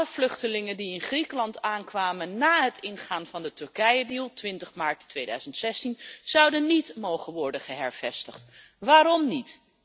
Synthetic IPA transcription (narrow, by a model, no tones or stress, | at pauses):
ləv̥lɵχtəlɪŋəndiɪnχrikəlɑntaːnkʋaːmənːaːɦətɪnχaːnvɑndətɵɹkɛjədiːlˠtʋɪntəχmaːɹtːʋejdœ̰ɥzəntsɛstinz̥ɑwdənːitmowχənʋɔɹdəχəɦɛɹv̥ɛstəχt | ʋaːɾɔmnit